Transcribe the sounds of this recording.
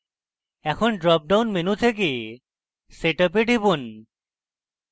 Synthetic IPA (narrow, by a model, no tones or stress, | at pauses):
ɛkʰonɖɾɔp̚ɖawnmenut̪ʰek̬e | seʈap̬eɖʱibun